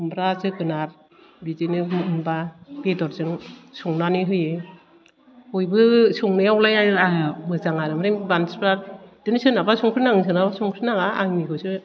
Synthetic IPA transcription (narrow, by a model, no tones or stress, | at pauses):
mbɾazɯkɯnaɾ | bizinɯɯnbabedɔɾzɯŋsɔŋnanɯɦɯjɯ | ɔjbɯsɔŋnɯjawlajajnɯaɯmɯzaŋaɾɯmɾembansbɾaɾd̥ɯnɯsɯnabasɔŋkʰɾinaŋɯs̬ɯnabasɔŋkʰɾɯnaŋaaŋnikʰɯsɯ